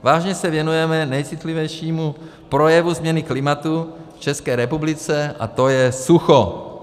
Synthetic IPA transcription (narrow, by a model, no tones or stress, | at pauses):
vaːʒɲɛsɛvjɛnujɛmɛnɛjt͡sɪt̪livɛjʃiːmu | pɾojɛvuzmɲɛnɪklɪmat̪uft͡ʃɛskɛːɾɛpublɪt͡sɛʔa̰t̪ojɛsuxo